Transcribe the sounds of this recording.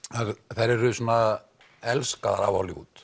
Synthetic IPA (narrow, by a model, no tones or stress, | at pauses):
aðθajɾɛɾʏsuːna | ɛlskaða̰ɾa̰vawliṵːt̪